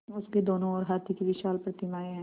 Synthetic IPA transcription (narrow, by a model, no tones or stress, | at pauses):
ʊsked̪oːnõɔːɾɦaːt̪ʰikiʋɪʃaːlpɾət̪ɪmaːeɦɛ̃ː